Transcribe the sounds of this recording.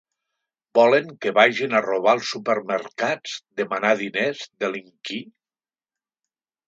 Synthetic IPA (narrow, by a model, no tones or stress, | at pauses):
bɔləŋkəβaʒinaroβ̞alˠsːupəɾməɾkad͡zd̪əmanaðinezðeliŋki